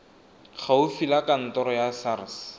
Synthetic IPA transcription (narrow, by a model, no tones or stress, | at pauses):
χʰaʊfilakan̩tɔɾɔjasarɪs